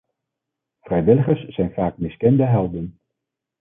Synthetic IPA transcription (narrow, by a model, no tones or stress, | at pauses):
v̥rɛjʋɪləχəɹssɛjnvaːkmɪskɛndəɦɛlˠdən